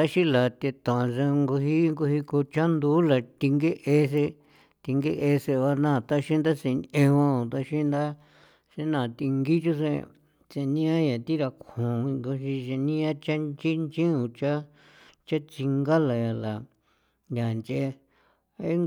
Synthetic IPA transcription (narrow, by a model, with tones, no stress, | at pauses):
t̪a˦ʃĩ˦la˨t̪e˧t̪ã˨˧se˧ŋɡu˧ɦi˦ŋɡu˧hi˧ko˧t͡ʃa˦nd̪u˦la˨t̪i˧ŋɡe˦ʔe˧s̬e˧ | t̪i˧ŋɡe˦ʔe˧se˧βa˧nãː˦˨t̪a˦ʃĩ˦nd̪a˦se˧ɲẽ˧wã˦õ˨t̪a˧ʃĩ˦nd̪a˦ | se˧nã˨t̪i˧ŋɡi˦t͡ʃu˦sḛ˧ | t͡ʃe˧nĩ˦ã˦ja˨t̪i˦ɾa˧kʰũ˨ĩ˧ŋɡo˧ʃĩ˧t͡ʃe˧nĩ˦ã˦t͡ʃa˦nt͡ʃi˦nt͡ʃĩ˦ũ˧t͡ʃa˦ | t͡ʃa˦t͡si˧ŋɡa˦la˨ja˨la˨ | ja˨nd͡ʒe˧ | e˦ŋ